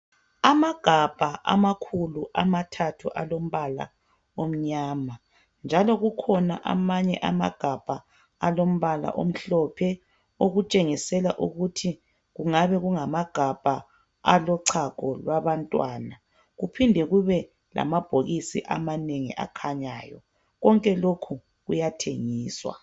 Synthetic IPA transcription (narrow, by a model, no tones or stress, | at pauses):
amaɡ̥ʱab̥ʱaʔa̰makʰuluʔa̰matʰatʰuʔalom̩βala̰ | om̩ɲaːma | nd͡ʒʱalɔɣukʰɔna̰ʔa̰maɲɛʔama̰ɡ̥ʱab̥ʱaː | lom̩βala̰ʔo̰m̩ɬɔpʰɛ | oɣut͡ʃʼeŋisɛlaʔuɣutʰi | ɣuŋaβɛɣuŋamaɡ̥ʱab̥ʱa | a̰lɔǀʰakʰʼɔlwaβantʼwaːna | ɣupʰindʱɛɣuβɛ | lʔa̰mab̥ʱoɣisḭʔa̰maneŋḭʔa̰kʰaɲaːjɔ̰ | ɣɔŋkʼɛlokʰu | ɣujatʰeŋiːswa̰